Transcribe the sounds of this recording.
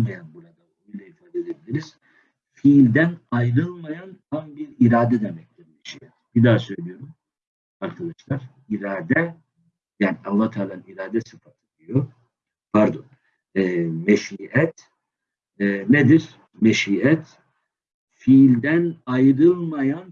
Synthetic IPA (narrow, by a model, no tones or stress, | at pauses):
majanbuɾad̪aoonujlˠaifaːd̪ed̪ebilʲiɾiz̥ | filʲd̪ænajɾɯlˠmajant̪ʰambiɾiɾaːd̪ɛd̪emɛc̚t̪iɾmeʃḭːɛt̪b̥id̪aːsø̞jlʲijo̞ɾum | aɾkʰad̪ˠaʃlˠaɾ̥ | iɾaːd̪ɛ | jaːnialˠːaht̪ʰaːlˠaiɾaːd̪ɛsɯfat̪ʰɯd̪ijo | baɾd̪un | ɛːmeʃiːɛt̪ | ɛned̪iɾ | meʃiːɛt̪ | filʲd̪ænajɾɯlˠmajan